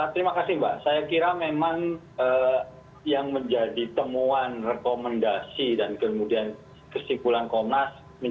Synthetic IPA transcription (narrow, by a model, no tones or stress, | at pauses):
at̪əɾimakasihmbaʔsajakiɾamemaŋ | əː | jaŋməɲd͡ʒadit̪əmuanrekoməndasidankəmudian | kəsimpulankɔmnas | mə